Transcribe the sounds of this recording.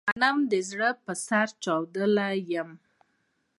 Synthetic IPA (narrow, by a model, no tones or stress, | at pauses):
anamd̪əzɽəpəsaɾt͡ʃɑwd̪əlajəm